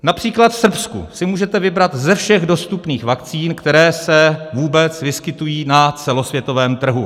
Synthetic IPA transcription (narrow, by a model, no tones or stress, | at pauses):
napr̝̥iːklat̪fsr̩pskṵsɪmuːʒɛt̪ɛvɪbɾat̪zɛfʃɛɣdo̞st̪upniːxvakt͡siːnkt̪ɛɾɛːsɛvuːbɛt͡svɪskɪt̪ujiːnat͡sɛlo̞svjɛt̪o̞vɛːmt̪r̩ɦu